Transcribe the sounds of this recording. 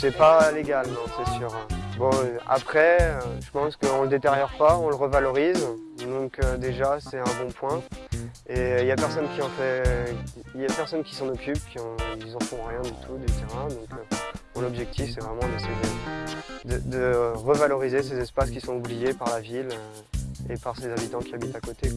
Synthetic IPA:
sɛpaleɡalnɔ̃sɛsyːʁbɔ̃a̰pχɛøʒəpɑ̃skəɔ̃ləd̪et̪eʁjɔʁpaɔ̃ləʁəvalɔʁizd̪ɔ̃kød̪eʒasɛt̪ɛ̃bɔ̃pwɛ̃ | eiljapɛʁsɔnkʲiɑ̃fɛiiljapɛʁsɔnkʲi̥sɑ̃nɔkʲypkʲĩilzɑ̃fɔ̃ʁjɛ̃d̪yt̪ʰud̪yt̪eʁɛ̃d̪ɔ̃købɔ̃lɔbʒɛk̚t̪ʰifsɛvʁɛmɑ̃d̪ɛsɛjed̪ə | d̪əd̪əʁəvalɔʁizesezɛspaskʲisɔ̃ublijepaʁlavilø | epaʁsezabit̪ɑ̃kʲiabit̪akot̪e

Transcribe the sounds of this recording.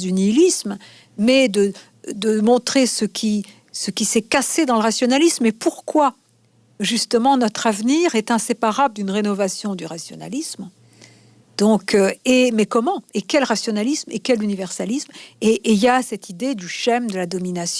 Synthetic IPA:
ynilism | mɛd̪ə | d̪əmɔ̃t̪χesəkʲʰi | səkʲisɛkased̪ɑ̃ləʁasjɔnalismepuʁkwa | ʒyst̪əmɑ̃nɔt̪χavniʁɛt̪ɛ̃sepaʁabld̪ynʁenɔvasjɔ̃d̪yʁasjɔ̰na̰lism | d̪̥ɔ̃køemɛkɔmɑ̃ekʲɛlʁasjɔnalismekʲɛlynivɛʁsalismeʔljasɛt̪id̪ed̪yʃɛmd̪əlad̪ɔminasj

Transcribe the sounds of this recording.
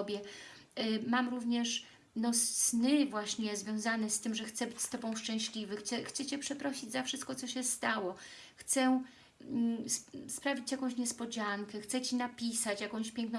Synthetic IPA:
bʲjɛ | mamɾuvɲɛʂ | nɔssnɘvwaɕɲɛzvʲjɔ̃w̃zanɛst̪ɘmʐɛxt̪sɛbɘt͡ɕst̪ɔbɔ̃w̃ʂt͡ʂɛ̃w̃ɕlʲivɘxt͡sɛxt̪sɛt͡ɕɛpʂɛpɾɔɕid͡ʑzafʂɨst̪̚kɔt̪sɔɕɛst̪awɔxt̪sɛ | sspɾavʲit͡ɕjakɔ̃w̃ɕɲɛspɔd͡ʑaŋkɛxt̪sɛt͡ɕinapʲisat͡ɕjakɔ̃w̃ɕpʲjɛŋknɔ̃

